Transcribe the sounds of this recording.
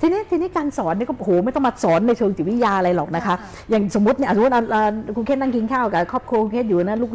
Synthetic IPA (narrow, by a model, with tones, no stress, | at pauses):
t̪ʰi˧ni˦˥t̪ʰiː˧ni˦˥kaː˧nsɔː˩˦nːi˧˥˩kɔ˥˩˧hoː˨˦m˥˩jt̪ɔ˥˩m˧a˧˩sɔː˨˩˦nːa˧jt͡ɕʰɤː˧ŋt͡ɕi˨˩wi˦˥jaː˧ʔa˧ɾa˧jlɔː˨˩k̚na˦˥kʰa˦˥ | jaː˨˩ŋso˩˦mu˦˥t̪̚ni˥˩˨t̪ʔa˧ʔaː˧˩kʰu˧kʰeː˦˥˩na˥˩ki˧ŋkʰaː˥˩wkaː˧˩kʰɔː˥˩p̚kʰu˧əku˧kʰe˥˩juː˨˩˨na˦˥˩luː˥˩k